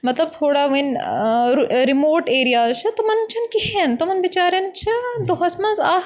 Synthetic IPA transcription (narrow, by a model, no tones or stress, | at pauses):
mɐt̪lɐb̚t̪ʰoːɽaʋɐnɾɾimoːɾʈeːɾijaːzt͡ʃʰɐt̪ɐmɐnt͡ʃʰɐnkihent̪omɐnʋit͡ʃaːɾɐnt͡ʃʰid̪oɦɐsmɐnzaː